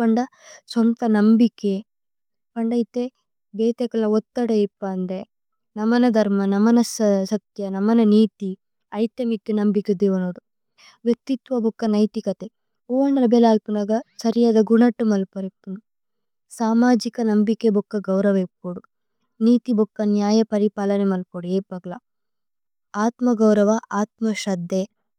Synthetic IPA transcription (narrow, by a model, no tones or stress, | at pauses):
pɐɳɖɐswɐnt̪ɐnɐmbike | pɐɳɖɐjt̪e | beːt̪ekɐlnɐot̪ːɐɽeipːaːnd̪e | nɐmɐnɐd̪ʱɐɾmɐnɐmɐnɐssɐt̪jɐnɐmːɐnɐniːt̪i | ɐjt̪ɐmik̪ːinɐmbiked̪eːʋɐnoːɽu | ʋjek̚t̪it̪ʋɐbʱokːɐnɐjt̪ikɐt̪e | oːnɾɐbɛlaːlpunɐɡɐsɐɾijaːd̪ɐɡuɳɐʈːumɐlpɐɾipunu | saːmaːd͡ʒikɐnɐmbikebʱukːɐɡɐwɾɐʋepoɽu | niːt̪ibʱukːɐnjaːjɐpɐɾipaːlɐnemɐlpoɽueːpɐɡlɐ | aːt̪mɐɡɐwɾɐʋɐʔaːt̪mɐʃɐd̪ʱːe